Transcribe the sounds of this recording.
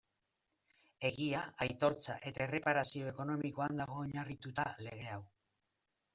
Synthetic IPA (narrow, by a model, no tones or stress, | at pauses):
e̞ɣiaajt̪o̞ɾt͡sa̰ʔe̞t̪aere̞paɾasio̞e̞ko̞no̞miko̞and̪aɣ̞o̞eɲarit̪ut̪ale̞ɣ̞e̞aw